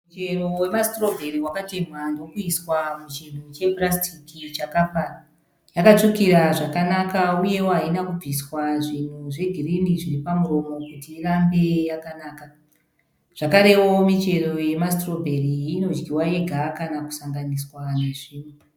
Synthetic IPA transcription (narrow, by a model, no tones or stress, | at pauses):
mut͡ʃe̞ro̞we̞mastro̞bʱe̞ɾiwakateɲwandokuiswamut͡ʃin̤ut͡ʃe̞prastʰikit͡ʃakafa | jakat͡ʂukiɾaʐakanakauje̞woɦainakub͡viswaʐin̤uʐe̞ɡʱiriniʐiripamuro̞mo̞kutiːrambe̞jakanaːka | ʐ̥akaɾe̞wo̞mit͡ʃe̞ro̞je̞mastro̞bʱe̞riino̞d͡ʒɡiwae̞ɡʱakanaku̥saŋɡaniswane̞ʐiːn̤u